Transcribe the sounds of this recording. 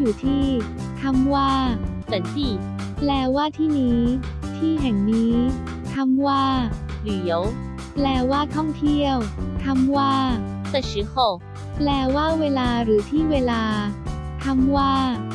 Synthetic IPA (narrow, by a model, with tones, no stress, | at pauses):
juː˨˩t̪ʰiː˥˩ | t̪ʰa˧mwaː˥˩ | sa˨˩˦nt̪i˧˩ | plɛː˧waː˥˩t̪ʰiː˥˩niː˦˥ | t̪ʰiː˥˩ɦɛ˨˩ŋniː˦˥ | t̪ʰa˧mwaː˥˩ | li˨˩˦ə˦w | plɛː˧waː˥˩t̪ʰɔ˥˩ŋt̪ʰi˥˩əwt̪ʰa˧mwaː˥˩ | sa˧˩ɕi˨˦xʰo˧˩ | plɛː˧waː˥˩weː˧laː˧ɾɯː˩˦t̪ʰiː˥˩weː˧laː˧t̪ʰa˧˥mwaː˥˩